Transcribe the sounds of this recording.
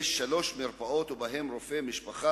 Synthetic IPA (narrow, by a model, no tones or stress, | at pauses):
ʃalo̞ʃmiɾpao̞t̪ubaɦe̞mɾofemiʃpaχa